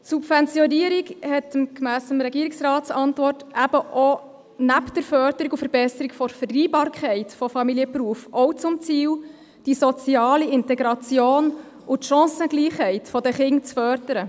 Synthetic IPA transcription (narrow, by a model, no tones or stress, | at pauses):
tsubvɛnt͡sjɔniəɾikhɛtəmkmæːsəmɾɛɡiːɾiksrɑːtt͡sɑntvɔrtæb̥əʔɔ | næpd̥əɾfœɾd̥əɾikufəɾbɛsəɾikfɔɾfərːiːbɑːɾkʰɛɪtfɔfɑmiliəpruəfɔwt͡sʊmt͡siːl | d̥isɔt͡siɑːliɪntɛɡɾɑt͡sjoːn | ʔʊtʃɑ̃ːsəɡ̥liːχhɛɪtfɔdəχɪŋt͡sfœrd̥əɾə